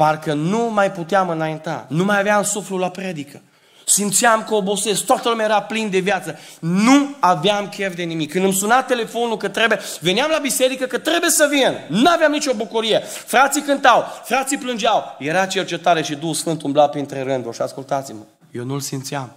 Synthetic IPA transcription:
parkənumajput̪eamɨnajint̪a̰numajaveamsuflulapɾe̞d̪ikə | simt̪siamkəobo̞se̞sk̚t̪oat̪əlumʲjʲajeɾaplind̪e̞vjat̪sənuaveamkʲe̞vd̪e̞nimikʰːɨnd̪ɨmsunat̪ːe̞le̞fo̞nulkət̪ɾebjeve̞neamlabise̞ɾikəkət̪ɾe̞bujesəvinnuaveamnit͡ʃo̞bukuɾijefɾat̪sikɨnt̪awfɾat̪siplɨnd͡ʒawje̞ɾat͡ʃe̞rt͡ʃe̞t̪aɾeʃid̪uxusfɨnt̪umblapint̪ɾeɾɨnd̪oʃiaskult̪at̪simə | jewnulsimt̪siam

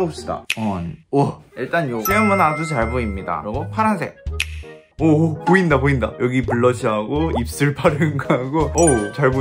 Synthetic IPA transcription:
op̚s͈ɯda̰ʌnʌiɭt͈anjoejɯŋmɯnadot͡ɕaɭboimɲida̰ɾʌɡopʰaɾɦansʰḛ | opoindapoinda̰jʌɡipuɭːʌd͡ʑʰiɦaɡoip̚s͈ɯɭpʰaɾɯŋɡaaɡoʌt͡ɕaɭbo

